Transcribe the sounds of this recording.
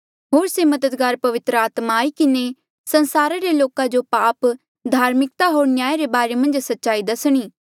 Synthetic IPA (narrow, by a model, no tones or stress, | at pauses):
ɦoːɾsemɐd̪əd̪ɡaːɾpɐʋɪt̪ɾəaːt̪maːikɪne | sɐ̃nsaːɾaɾeloːkad͡ʒopaːp | d̪ʱaːɾmɪk̚t̪aɦoːɾnjaːjɾebaːɾemɐ̃nd͡ʒsɐtːʃaːid̪ɐsɽ̃iː